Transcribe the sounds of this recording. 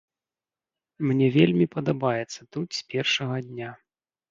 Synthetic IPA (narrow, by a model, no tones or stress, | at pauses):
mnʲɛvʲelʲmʲipɐd̪abajɛt̪sːɐt̪ut̪sʲpʲɛrʂɐɣɐd̪ʲnʲa